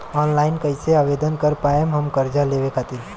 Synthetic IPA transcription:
ɔːnlaːɪnkəɪseaːʋed̪ənkəɾpaemɦəmkəɾd͡ʒaleʋekʰat̪in

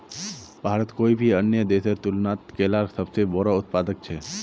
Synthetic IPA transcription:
bʱaːɾət̪koːibʱiɐnjəd̪eːsəɾt̪ʊlnaːt̪keːlaːɾsəbsebɔɾaʊt̪̚paːd̪ək̚t͡ʃʰɛː

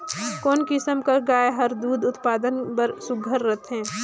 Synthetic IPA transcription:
koːnkɪsəmkəɾɡaːeɦɐɾd̪uːd̪ʊt̪paːd̪ənpəɾsʊɡʱəɾːət̪ʰɦɛ̃ː

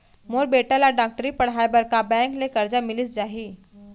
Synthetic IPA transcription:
moɾbeʈalaɖak̚ʈəɾiːpəɽɦajbəɾkabɛ̃klekəɾd͡ʑamiliːsd͡zaɦiː

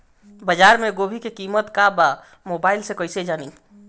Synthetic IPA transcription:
bəd͡ʒaːɾmẽɡoːbʱikekiːmət̪kaba | moːbaːɪlsekəɪsed͡ʒaːni

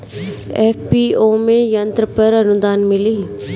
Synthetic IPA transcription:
ɛːfpioːmẽjɐ̃nt̪ɾəpɐɾɐnʊd̪aːnmɪliː

